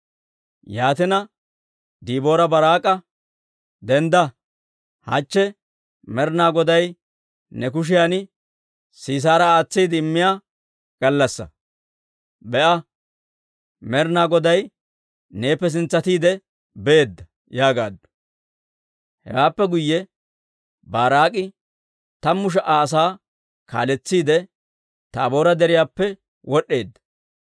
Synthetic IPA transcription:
jaːt̪ɪnɐ | d̪iːbo̞ːɾɐbɐɾaːkʼːɐ | d̪ɛnd̪ɐ | hɐ̰t͡ʃːɛ | mɛɾnaːɡɔd̪ɐj | nɛkʊʃ̬ɪjanɪ | siːs̬aːɾɐaːt͡sːiːd̪ɪɪmːɪjaː | ɡ̥ɐlːɐsːɐ̰ | bɛʔɐ | mɛɾnaːɡɔd̪ɐj | ne̞ːpːɛs̬ɪnt͡sːɐt̪iːd̪ɛ | beeːd̪ːɐ | jaːɡaːd̪ːʊ̥ | hɛ̰waːpːɛɡʊjːɛ | baːɾaːkʼɪ | t̪ɐmːʊʃ̬ɐʔaːs̬aː | ka̰ːlɛt͡sːiːd̪ɛ | t̪ɐːbo̞ːɾɐd̪ɛɾɪjaːpːɛ | wɔɗːe̞ːd̪ːɐ̥

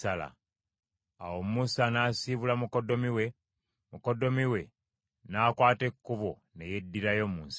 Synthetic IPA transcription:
ala̰ | a̰wo̞mmusanaːsiβulamukodo̞miwe | muko̞do̞miwe̞ | naːkwaːte̞kːuβo | ne̞je̞dːiɾajo̞muːnsi̥

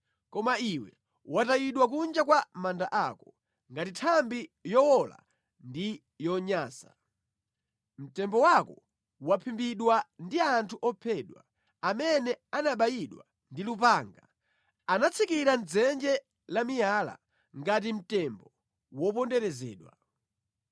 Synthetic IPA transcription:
kɔmaiwɛ̰ | watajiɗwak̬und͡ʒakwamandaʔakɔ̥ | ŋɡatitʰambijɔwɔla̰ | ndi | jɔɲaːsa̰ | m̩tɛmbɔwakɔ | wapʰimbiɗwandiantʰuʔɔpʰɛɗwa | amɛnɛanaɓajiɗwa̰ | ndilup̬aːŋɡa | anat͡sʰikiɾan̩d͡zɛnd͡ʒɛ | lamijaːla̰ | ŋɡat̬im̩tɛmbɔ | wɔpɔndɛɾɛzɛ̰ːɗwa̰

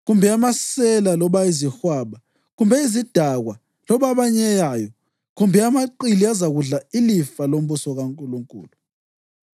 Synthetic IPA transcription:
ɣumbʱɛamasɛlalɔβaizixwaːβa | ɣumbʱɛizid̥ʱaɣwa | lɔβaβaɲɛjajɔ | ɣumbʱɛamaǃiliazaɣuɮailifalom̩βusɔɣaŋkʼuluŋkʼṵːlu

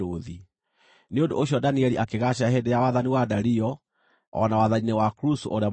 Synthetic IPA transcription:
oði | neondo̰ʔoɕjɔdaniɛliʔakeɣaɕahɛdejawaðaniwadaɾiɔ | ɔ̰nawaðaninewakɾuso̰ʔoɾea

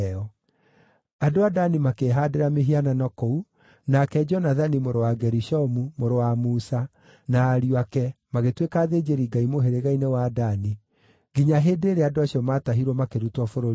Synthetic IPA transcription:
ɔ | adoadanimakeɦadeɾameɦiananɔkou | nakɛd͡ʒɔnaðanimoɾowaɡɛɾiʃɔmumoɾowamuːsa | naːɾiakɛmaɣetwekaːðed͡ʑeɾiɡaimoɦeɾeɣainewadani | ɡiɲaɦeːdeːɾeadoaɕijɔmaːtaɦiɾwɔmakeɾutwɔfoɾoɾ

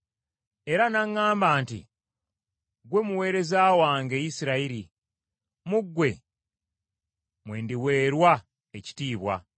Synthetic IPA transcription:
e̞ɾanaŋːaːmbaːntḭ | ɡwe̞muwe̞ːɾe̞zaːwaːŋɡe̞jisiɾaiɾi | muɡːwe̞ | mwe̞ːndiwe̞ːɾwa | eci̥tiːβwa̰

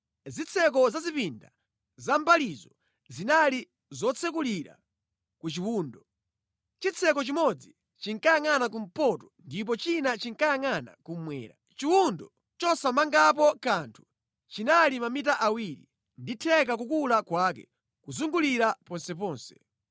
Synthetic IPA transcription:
zit͡sʰɛkɔzazipinda̰ | zam̩palizɔ | zinali | zɔt͡sʰɛk̬uliɾa̰ | kut͡ʃiwuːndɔ | t͡ʃit͡sʰɛkɔt͡ʃimɔd͡zi | t͡ʃiŋkajaŋanak̬um̩pɔtɔndip̬ɔt͡ʃinat͡ʃiŋkajaŋana̰kum̩mwɛ̰ːɾa | t͡ʃiwundɔ | t͡ʃɔsamaŋɡap̬ɔkantʰu̥ | t͡ʃinalimamitaʔawiɾḭ | nditʰɛk̬akukulakwakɛ̰ | kuzuŋɡuliɾapɔnsɛp̬ɔːnsɛ̥

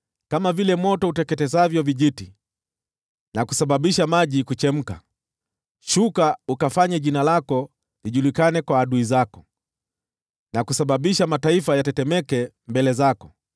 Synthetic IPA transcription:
kamavilɛmɔtɔutɛkɛtɛzavjɔviʄiti | nakusaɓaɓiʃamaʄikut͡ʃɛm̩ka | ʃukaukafaɲaʄinalakɔ | liʄulikanɛkwaːɗuizakɔ | nakusaɓaɓiʃamataifajatɛtɛmɛkɛ | mbɛlɛzakɔ

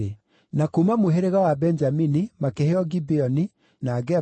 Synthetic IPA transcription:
e | nakumamoɦeɾeɣawabɛnd͡ʒaminimakeheɔɡibeɔni | naɡɛ

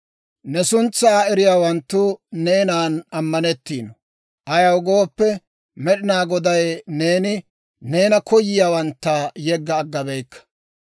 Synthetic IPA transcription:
nɛsʊnt͡sːaːɛɾɪjaːwɐnt̪ːʊne̞ːnaːnɐmːɐnɛt̪ːiːnɔ | ʔɐjɐwɡo̞ːpːɛ | mɛɗɪnaːɡɔd̪ɐjne̞ːnɪ | ne̞ːnɐkʰɔjːɪjaːwɐnt̪ːɐjɛɡːɐːɡːɐbɛjkːɐ̥

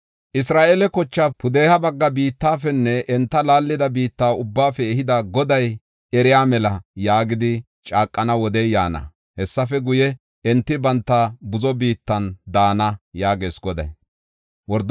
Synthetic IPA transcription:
ʔɪs̬ɾaːʔelɛkɔt͡ʃːapʊd̪eːhɐbɐɡːɐbiːt̪ːaːfɛnːɛʔɛnt̪ːɐlaːlːɪd̪ɐbiːt̪ːaːʊbːaːfɛːhɪd̪ɐɡɔd̪ɐj | ɛɾɪjaːmɛlɐjaːɡɪd̪ɪ | t͡ʃʼaːkʼːɐnɐwɔd̪ɛjjaːnɐ̰ | hɛsːɐfɛɡʊjɛ | ɛnt̪ːɪbɐnt̪ːɐbʊzɔbiːt̪ːɐnd̪aːnɐjaːɡe̞ːsɡɔd̪ɐ̰j | wɔɾd̪

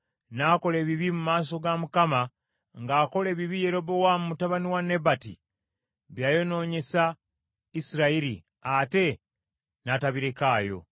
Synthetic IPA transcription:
naːko̞le̞ːβiβimumaːso̞ɡamukama | ŋɡaːko̞le̞ːβiβije̞ɾo̞bo̞wamumutaβaniwane̞batḭ | βjaːjo̞no̞ːɲe̞sa | isiɾaiɾḭ | ate̞ | nataβiɾe̞kaːjo̞̰

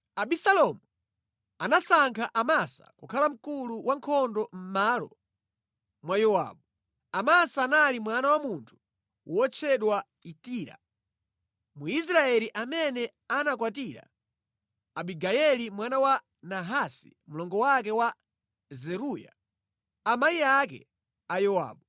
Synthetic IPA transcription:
aɓisalɔmu | anasaŋkʰaʔamasa̰kukʰalam̩kuluwaŋkʰɔndɔm̩malɔ̰ | mwajɔwa̰ːɓu | amasaːnalimwanawamuntʰu̥ | wɔt͡ʃʰɛɗwa | itiːɾa̰ | muis̬ɾaɛliʔamɛnɛ | anakwatiɾa̰ | aɓiɡajɛlimwanawa | naɦasḭ | mulɔŋɡɔwak̬ɛwa | zɛɾuja̰ | amaiakɛ̰ | ajɔwa̰ːɓu

